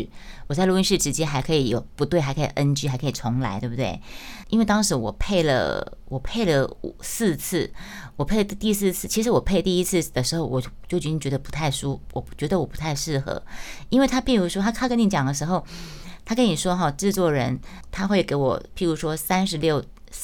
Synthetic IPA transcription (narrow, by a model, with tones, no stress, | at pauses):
wɔ˨˩t͡sa˥ɪlu˥˧˩i˥nʂɻ̩˥˩ʈ͡ʂɻ̩˧˥t͡ɕjɛ˥nxa˧˥ɪkʰɤ˧˥i˨˧˥jo˨˩ʊpu˧˥t̪we˥˩ɪa˧ɪkʰɤ˧˥ḭ˨˩ʔə˥nt͡ɕy˥xkʰɤ˧˥i˨˩t͡sʰʊ˧˥ŋla˧˥ɪt̪wbt̪we˥˩ɪi˥nwe˥˩ɪt̪ɑ˥ŋʂɻ̩˧˥wɔ̰˨˩pʰe˥˩ɪlə̰˩wɔ˨˩pʰe˥˩ɪlə˩u˨˩sɹ̩˥˧t͡s̩ʰ˥˩ | wɔ˨˩pʰe˥˩ɪlə˩˥˧t̪i˥˧sɹ̩˥˧t͡sʰɹ̩˥˩t͡ɕʰi˧˥ʂ̬ɻ̩˧˥wɔ˨˩pʰe˥ɪə˩t̪i˥˧i˥t͡sʰɹ̩˥˧d̪ə˩ʂɻ̩˧˥xo˥˧ʊwɔ˨˩t͡ɕo˥˩ʊt͡ɕt͡ɕ̪i˥ŋt͡ɕɥɛ˧˥d̪ə˧pu̥˧˥t̪ʰa˥˩ɪʂu˥wʔɔ˨˩t͡ɕɥɛ˧˥d̪ə˧wɔ˨˩pu˧˥t̪ʰa˥˧ɪʂɻ̩˥˩xɤ̰˧˥i˥nwe˥˩ɪa˥pi˥˩ɻu˧˥ʂwɔ˥t̪ʰa˥t̪ʰa˥kə˥ni˧˩t͡ɕjɑ˨˩ŋd̪ə˦ʂ̬ɻ̩˧˥xo˥˧ʊt̪ʰa˥kə˥ni˨˩ʂwɔ˥xɑ˥˩ʈ͡ʂɻ̩˥˧t͡swɔ˥˩ɻə˧˥n | t̪ʰa˥xwe˥˩ɪke˧˥ɪwɔ̰˨˩pi˥˩ɻu˧˥ʂwɔ˥sa˥nʂɻ̩˧˥ljo˥˩ʊ